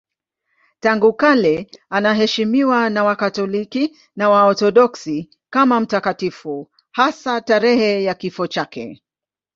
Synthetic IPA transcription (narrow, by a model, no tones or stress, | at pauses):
taŋɡukalɛanaɦɛʃimiwanawakatɔliki | nawaɔθɔɗɔksi | kamam̩takatifu | hasataɾɛhɛjakifɔt͡ʃakɛ̰